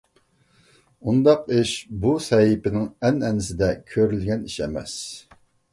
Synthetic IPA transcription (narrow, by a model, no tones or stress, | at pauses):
und̪ɑqɪʃbusɛjipɪnɪŋɛnɛnɪsɪd̪ɛkʲʰøɾylɡʲɛniʃɛmɛ̰s